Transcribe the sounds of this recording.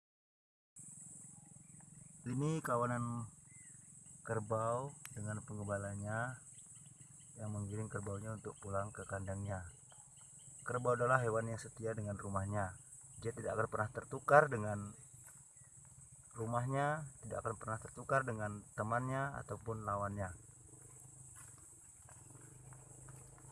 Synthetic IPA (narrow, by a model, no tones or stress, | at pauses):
ʔinikawanan | kərbawdəŋanpəŋɡəbalaɲa | jaŋməŋiɾɪŋkərbawɲaunt̪ʊk̚pulaŋkəkandaŋɲa | kərbawadalaɦewanjaŋsət̪iadəŋanrumahɲa | d͡ʒiat̪idaakanpərnaht̪ərt̪ukardəŋan | rumaɦɲat̪idaʔa̰kanpərnaht̪ərt̪ukardəŋant̪əmanɲaa̰t̪awpʊnlawanɲa